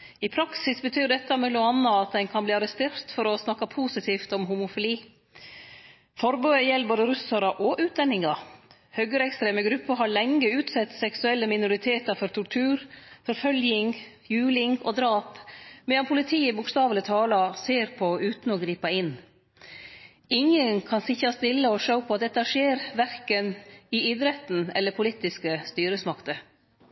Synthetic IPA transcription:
ɪpʰɾɑksɪsbət̪ʰyːɾɖ̪ɛt̪ːɑmɛlʊɑnːɑɑt̪̚d̪ɛnkʰɑnbliːɑɾɛst̪eːɾt̪fɔɾɔsnɑkːɑpʰusɪt̪ʰiːft̪ɔmɦʊmʊfɪliː | fɔɾbøːəjɛlboːd̪əɾʉsɑɾɑʔɔʔʉːt̪̚d̪ɛnːɪŋɑ | hœɡəɾɛkst̪ɾeːməɡɾʉpːəɾɦɑɭɛŋːəʉːt̪sɛt̪ːsɛksʉɛlːəmɪnʊɾɪt̪ʰeːt̪ɑɾfɔɾt̪ʰʊʈʰʉːɾfɔɾfœljɪŋ | jʉːlɪŋɔd̪ɾɑːpmɛːd̪ɑnpʰʊlɪt̪ʰiːɪbʊkst̪ɑːʋlət̪ʰɑːlɑseːɾpʰɔʉːt̪n̩ɔɡɾiːpɑɪnː | ɪŋənkʰɑnsɪçɑst̪ɪlːəɔʂəʊpʰɔɑt̪̚d̪ɛt̪ːɑʂeːɾʋæɾkənɪɪd̪ɾɛt̪n̩ɛ̰lːəɾpʰʊlit̪ɪskəst̪yːɾəsmɑkt̪ə

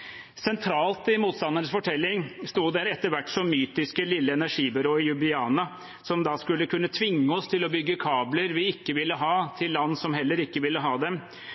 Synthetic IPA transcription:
sɛnt̪ʰɾɑːlt̪ɪmuːt̪st̪ɑnːənəsfɔʈʰɛlːɪŋst̪uːd̪æɾɛt̪ːəɾʋæʈːsɔmːyːt̪ɪskəlɪlːəɛnæʂiːbɪɾoːɪjʉbɪɑːnɑ | sɔmd̪ɑskʉlːəkʰʉnːət̪ʰʋɪŋːəɔst̪ʰɪlɔbʏɡːəkʰɑːbləɾʋɪɪkːəʋɪlːəɦɑːt̪ʰɪlːɑnːsɔmɦɛlːəɾɪkːəʋɪlːəɦɑːd̪ɛm

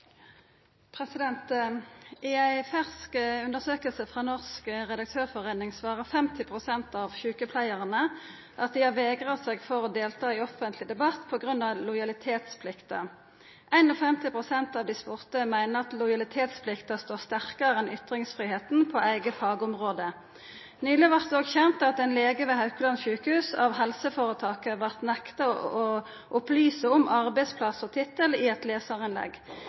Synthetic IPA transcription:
pʰʁɛsɪd̪ɛnt̪ | ɪæɪfæʁskʉnd̪əʁsøːkəlsəfʁɑːnɔʁskʁɛd̪ɑk̚t̪ʰøːʁfɔʁeːnɪŋsʋɑːʁəfɛmt̪ɪpʰʁʊsɛnt̪ɑʋçʉːkəpʰlæɪəʁənə | ʔɑt̪̚d̪ɪhɑʋeːɡʁəseːɡfɔʁɔd̪eːlt̪ʰɑːɪɔfənt̪lɪd̪ɛbɑt̪ːpʰɔɡʁʉnɑʋlɔjɑlɪt̪ʰeːt̪spʰlɪkt̪ɑ̰ | ʔæɪnɔfɛmt̪ɪpʁʊsɛnt̪ɑːʋd̪ɪspʊʁt̪əmæɪnəɑt̪lʊɪɑlɪt̪ʰeːt̪spʰlɪkt̪ɑst̪oːʁst̪æʁkɑʁɛnʏt̪ʁɪŋsfʁiːheːt̪n̩pʰɔʔæɪɡəfɑːɡəʊmʁoːd̪ə | nyːlɪʋɑʁt̪̚d̪oːɡçɛnt̪ɑt̪ɛɪnleːɡəʋɛhɑʉkəlɑnçʉːkəhʉːsɑʋɦɛlsəfoːʁət̪ʰɑːkəʋɑʁt̪nɛkt̪ɑɔ | ʔʊplyːsəɔmʔɑʁbæɪspʰlɑsɔt̪ʰɪt̪ːəlɪɛt̪leːsɑʁɪnlɛ̰ɡ

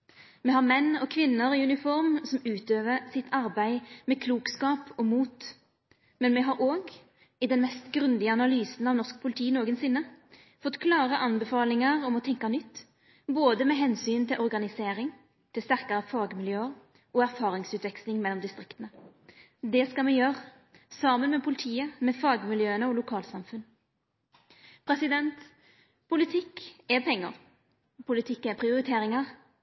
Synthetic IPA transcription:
mɛhɑʁmɛnːɔkʰʋɪnːəɾɪʉnɪfɔɾmsɔmʉːt̪øːʋəsɪt̪ʰɑɾbæɪmɛːkʰluːkskɑːpɔmuːt̪ | mɛnmɛɦɑɾʔoːɡ | ɪd̪ɛnmɛst̪ɡʁʉnd̪ɪəɑnɑlyːsnɑʋnɔʁsk̚pʰʊlɪt̪ʰiːnoːɡənsɪnːə | fɔt̪ːkʰlɑːʁəʔɑnbɛfɑːlɪŋɑʁɔmɔt̪ʰɛŋkɑnʏt̪ː | boːd̪əmeːɦɛnsyːnt̪ʰɪlʔɔʁɡɑnɪseːɾɪŋ | t̪ʰɪlst̪æʁkɑɾəfɑːɡmɪljøːəʁ | ʔɔæʁfɑːɾɪŋsʉːt̪ʋɛkslɪŋmɛlːɔmd̪ɪst̪ʁɪkt̪ənə | d̪ɛskɑmɛjøːʁ | sɑmənmɛːpʰʊlɪt̪ʰiːəmɛfɑːɡmɪljøːənəɔlʊkʰɑːlsɑmfʉn | pʰɾɛsɪd̪ɛnt̪ | pʰʊlɪt̪ʰɪkɛpʰɛŋːəʁ | pʰʊlɪt̪ʰɪkːɛpʰʁɪʊɾɪt̪ʰeːɾɪŋɑʁ

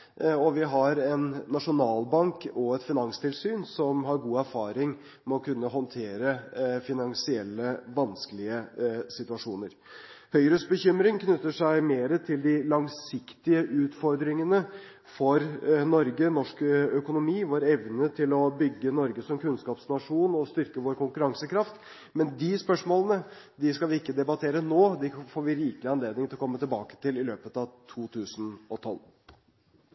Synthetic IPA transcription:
ɔʋɪɦɑɾɛnːɑʂʊnɑːlbɑŋkɔɛt̪fɪnɑŋst̪ʰɪlsyːnsɔmɦɑɾɡuːæɾfɑːɾɪŋ | mɛɔkʰʉnːəɦɔnt̪ʰeːɾəfɪnɑŋsɪɛlːəʋɑnskəlɪəsɪt̪ʉɑʂuːnəɾ | hœʏɾəsbəçʏmɾɪŋkʰnʉt̪ːəʂæɪmeːɾət̪ʰɪld̪ɪlɑŋsɪkt̪ɪəʔʉːt̪fɔɾd̪ɾɪŋənə | fɔɾnɔɾɡənɔʂkœkʊnʊmiːʋoːɾɛʋnət̪ʰɪlɔbʏɡːənɔɾɡəsɔmkʰʉnskɑːpsnɑʂuːnɔst̪ʏɾkəʋoːɾkʊŋkʉɾɑŋsəkɾɑft̪ | mɛnd̪ɪspœʂmoːlənə | d̪ɪskɑlʋɪɪkːəd̪ɛbɑt̪ʰeːɾənoːd̪ɛfoːɾʋɪɾiːkəlɪɑnleːd̪nɪŋt̪ɪlɔkʰɔmːət̪ɪlbɑ̰ːkə̥t̪ɪlɪløːpət̪ɑʋt̪ʰuːt̪ʰʉːsnɔt̪ʰɔlː

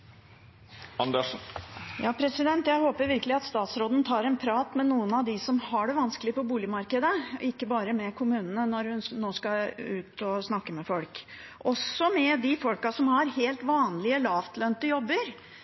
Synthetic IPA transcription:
ɑnd̪ɛʂjɑːpʰɾɛsɪd̪ɛnt̪jæɪhoːpəɾʋɪɾkəlɪɑt̪st̪ɑːt̪sɾoːd̪n̩t̪ʰɑːɾɛnpʰɾɑːt̪mɛnuːənɑʋd̪ɪsɔmhɑɖɛʋɑnskəlɪəpʰɔbuːlɪmɑɾkəd̪əʔɪkːəbɑːɾəmɛkʰʊmʉːnənənɔɾhʉnnoːskɑʉːt̪ɔsnɑkːəmɛfɔlk | ʔɔsːɔmɛd̪ɪfɔlkɑsɔmhɑɾheːlt̪ʋɑːnlɪəlɑːʋt̪ʰlœnt̪əjɔbːəɾ

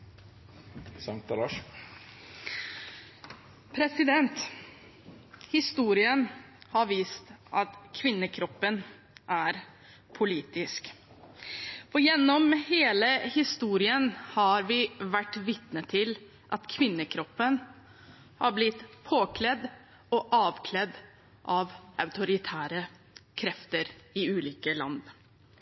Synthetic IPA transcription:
sɑŋt̪lɑːʂ | pʰɾɛsɪd̪ɛnt̪ | hɪst̪uːɾɪən | hɑɾʋiːst̪ʔɑt̪kʰʋɪnːəkʰɾɔpːən | ʔæɾ | pʰʊliːt̪ɪsk | fɔjɛnːɔmheːləhɪst̪uːɾɪənhɑɾʋɪʋæʈːʋɪt̪nət̪ʰːɪl | ʔɑt̪kʰʋɪnːəkʰɾɔpːən | hɑɾblɪt̪pʰoːkʰlɛd̪ | ɔʔɑːʋkʰlɛd̪ | ʔɑʋʔɑʉt̪ʊɾɪt̪ʰæːɾə | kʰɾɛft̪əɾɪʉːliːkəlɑ̰nd̪

